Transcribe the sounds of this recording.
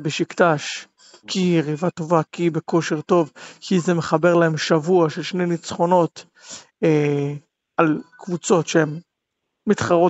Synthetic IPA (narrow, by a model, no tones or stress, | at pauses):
beʃikt̪aʃ | kʰiʁivato̞vakibe̞ko̞ʃe̞ʁt̪o̞vkʰizemeχabe̞ʁlaemʃavuaʃelʃne̞jnit͡sχo̞no̞t | e | alkvut͡so̞tʃeemː | it̪χaʁo̞